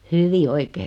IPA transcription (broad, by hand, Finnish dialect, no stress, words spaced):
hyʋi oikeː